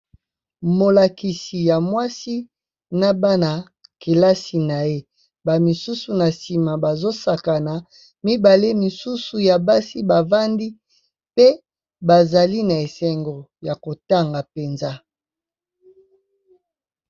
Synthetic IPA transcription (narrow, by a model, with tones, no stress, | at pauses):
mo˨la˨ki˨si˨ja˨mwa˦si˦ | na˦ba˦na˨ | ke˨la˦si˨na˨je˦ | ba˨mi˨su˦su˨na˨si˨ma˨ba˨zo˦sa˨ka˨na˨ | mi˦ba˨le˦mi˨su˦su˨ja˨ba˦si˦ba˨va˦ndi˦ | pe˦ | ba˨za˨li˦na˨e˨sɛ˨ŋɡo˨ | ja˨ko˨ta˦˨ŋɡa˨pe˨nza˦